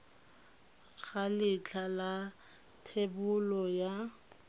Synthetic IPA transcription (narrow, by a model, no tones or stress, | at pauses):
k͡xʰalɪt͡ɬʰala | tʰebʊlɔja